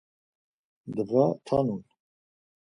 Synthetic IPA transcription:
d̪əvat̪ʰanun

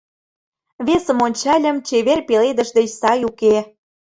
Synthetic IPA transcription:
βesə̆monʲt͡ɕɑlʲə̆mt͡ɕeβerpeled̪ə̆ʒd̪ĕt͡ɕsɑjuke

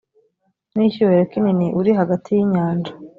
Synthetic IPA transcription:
niçuweɾekininiʔuɾiɦaɡatʰijiɲaːnd͡ʒḁ

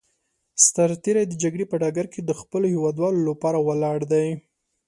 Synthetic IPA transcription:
st̪aɾt̪eɾajd̪əd͡ʒaɡɽepəɖɑɡaɾked̪əxpəlohewɑd̪wɑlolapɑɾawalɑɽd̪aj

